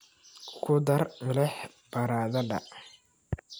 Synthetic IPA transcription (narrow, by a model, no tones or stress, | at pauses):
kʰʊd̪ɐrmɪlɛħ | b̥ɐɾaːðɐdɐ̰